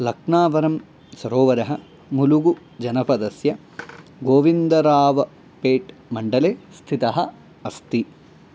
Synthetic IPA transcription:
lɐkɳaːʋɐɾɐm | sɐɾoːʋɐɾɐɦɐ | muluɡu | d͡ʒɐnɐpɐd̪ɐsjɐ | ɡoːʋind̪ɐɾaːʋɐ | peːʈ | mɐɳɖɐleːst̪ʰit̪ɐɦɐ | ɐst̪i

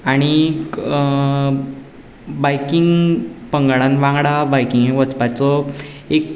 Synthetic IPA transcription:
aɽ̃i | bajkiŋɡpəŋɡaɭãnʋãŋɡɽabajkiŋɡɦeʋət͡spat͡sɔ | ek

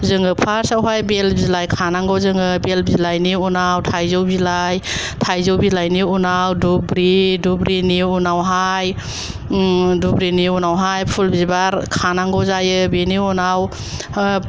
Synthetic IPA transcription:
zɯŋɯpʰaɾsawɦajbelbizilajkʰanaŋɡɔzɯŋɯbelbizilajniunawtʰajzɯwbilaj | tʰajzɯwbilajniunawdubɾidubɾiniunawɦaj | dubɾiniunawɦajpʰulbizbaɾkʰanaŋɡɔzajɯbeniunaw

